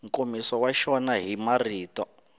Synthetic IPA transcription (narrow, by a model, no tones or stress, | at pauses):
ŋkomisɔwaʃɔnaɦimariːtɔ